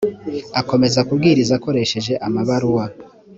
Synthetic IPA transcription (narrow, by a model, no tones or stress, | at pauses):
ako̞me̞zakubɡiːɾizako̞ɾe̞ʃe̞ʒe̞ʔamaβaɾuwa